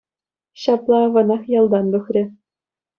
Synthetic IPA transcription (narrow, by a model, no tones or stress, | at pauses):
ɕɑplˠɑʋɤ̆nɑχjɑlˠd̪ɑnd̪uxrʲɘ̆